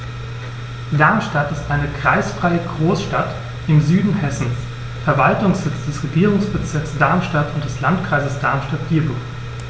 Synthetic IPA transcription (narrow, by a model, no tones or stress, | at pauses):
d̥aɐmʃtatɪstʔaɪnəkʁ̥aɪsfʁ̥aɪəɡʁoːsʃtat | ʔɪmzyːdn̩hɛsn̩s | fɛɐvaltʊŋsz̥ɪt͡sd̥ɛsʁeɡiːʁ̞ʊŋsb̥ət͡sɪɐksd̥aɐmʃtatʊntd̥ɛslantkʁ̥aɪzəsd̥aɐmʃtatv̥iɐbo